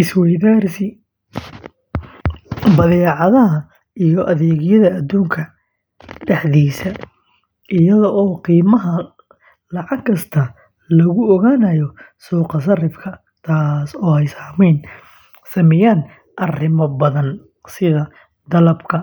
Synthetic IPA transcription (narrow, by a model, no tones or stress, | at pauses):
ʔɪswɛjðaːrsɪ | bɐðɛːʕɑðɐɦɐ | ʔijɔʔɐðɛːɣɪjɐðɐːd̪uːŋkʰɐ | ɖɛħðiːsɐ | ʔɪjɐðɔʔɔːqiːmɐɦɐ | lɑʕɑɡkʰːɐst̪ʰɐ | lɐɣʊɔɣaːnɐjɔsuːqɑs̬ɐrɪfkʰɐ | t̪ʰaːsɔːɛjsaːmɛjn | sɐmɪjaːn | ʔɐrɪmɐbɐðɐn | sɪðɐ | d̪ɐlɐbkʰɐ